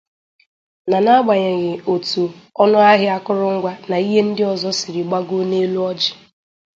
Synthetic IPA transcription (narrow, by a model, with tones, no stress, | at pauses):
na˨na˦ɡ͡ba˨ɲe˨ɣɪ˨o˨tu˨ɔ˦nʊ˦a˦ɦɪ˦a˦kʊ˦ɾʊ˦ŋ̩˦ɡʷa˦na˨i˦ɦe˦n̩˦dɪ˦ɔ˨zɔ˦sɪ˨ɾɪ˨ɡ͡ba˦ɡo˦ne˦lu˦ɔ˦d͡ʒɪ̥˨